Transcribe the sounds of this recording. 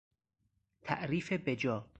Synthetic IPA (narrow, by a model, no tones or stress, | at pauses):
t̪ʰæ̰ʔɾiːfebed͡ʒɒː